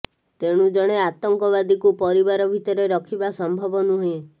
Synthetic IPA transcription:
t̪eɽ̃ud͡ʒɔɽ̃eat̪ɔŋkɔβad̪ikupɔɾibaɾɔbʱit̪ɔɾeɾɔkʰibasɔmbʱɔbɔnuɦẽ

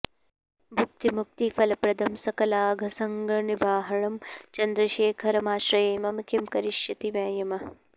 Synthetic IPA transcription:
bʱuk̚t̪imuk̚t̪ifɐlɐpɾɐd̪ʱɐmsɐkɐlaːɡʱɐsɐŋɡʱɐnibʱaːɦɐɭɐmt͡ʃɐnd̪ɾɐʃeːkʰɐɾɐmaːʃɾɐeːmɐmkimkɐɾiʃjɐt̪iʋɐ̃ːjɐmɐ

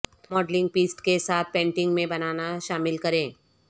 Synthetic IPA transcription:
mɔːɖlɪ̃ŋɡ̚piːsʈkesaːt̪̚ʰpẽːɳʈɪ̃ŋɡmẽbɐnaːnaʃaːmɪlkɐɾẽː

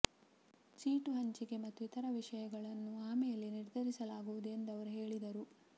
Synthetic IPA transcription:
t͡ʃiːʈuɦɐɲt͡ʃiɡe̞mɐt̪ːuit̪ɐɾɐʋiʂɐjɐɡɐɭɐnːuaːmejɐleniɾd̪ʱɐɾisɐlaːɡuʋud̪uend̪ɐʋɐɾuɦe̞ːɭid̪ɐɾu

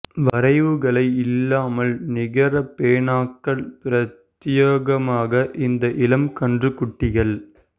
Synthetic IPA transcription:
ʋɐɾɐɪʋɯɣɐɭɐɪɪlːaːmɐlnɪɣɐɾɐpeːɳaːkːɐɭpɪɾɐt̪ːjoːɣɐmaːɣɐʔɪnd̪ɐʔɪlɐmkɐɳdrɯkʊʈːɪɣɐɭ

